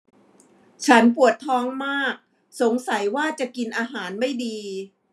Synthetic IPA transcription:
t͡ɕʰa˦˥npu˨˩ət̪ʰːɔː˧ŋmaː˥˩k̚ | so˨˩˦ŋsa˩˦jwaː˥˩t͡ɕa˨˩ki˧nʔaː˧ɦaː˩˦nma˥˩jdiː˧

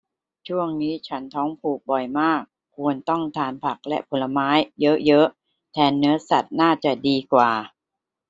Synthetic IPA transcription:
t͡ɕʰu˥˩əŋniː˦˥t͡ɕʰa˦˥nt̪ʰɔː˦˥ŋpʰuː˨˩k̚bɔ˨˩jmaː˥˩kʰːu˧ənt̪ɔ˥˩ŋt̪ʰaː˧npʰa˨˩k̚lɛ̰˦˥ʔpʰo˧lːa˧maː˦˥jːɤ˦˥ʔjɤ˦˥ʔ | t̪ʰɛː˧nːɯ˦˥ɐsa˨˩t̪̚naː˥˩t͡ɕa˨˩diː˧kwaː˨˩

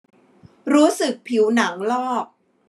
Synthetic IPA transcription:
ɾuː˦˥sɯ˨˩k̚pʰi˩˦wna˩˦ŋlɔː˥˩k̚

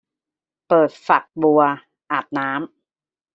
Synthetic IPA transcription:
pɤː˨˩t̪̚fa˨˩k̚bu˧ɐ | ʔaː˨˩t̪̚naː˦˥m

